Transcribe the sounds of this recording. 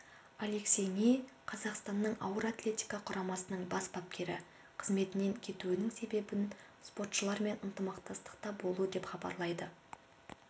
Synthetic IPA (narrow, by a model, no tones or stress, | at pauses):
ale̞ksʲejnejqʰɑzɑqst̪ɑnːəɴɑ̰wəɾat̪lʲe̞t̪ʲijkaqʰʊɾɑmɑsənəɴbɑsbɑp̚kʲʰe̞ɾɪ̰ | qʰəzme̞t̪ɪne̞ŋkʲʰe̞t̪uɪnɪŋse̞be̞bɪn | spo̞t̪ʃəlˠɑɾme̞nənt̪əmɑqt̪ɑst̪ə̥qt̪ɑbo̞lˠuəd̪e̞pχɑbɑ̰ɾlˠɑjd̪ə